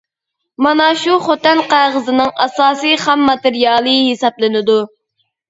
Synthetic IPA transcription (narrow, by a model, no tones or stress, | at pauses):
mɑnɑʃuχot̪ɛnqæʁəzɨnɨŋɑsɑːsijχæmːɑt̪ɨɾijɑlˠɨhesɑblˠɨnɨd̪u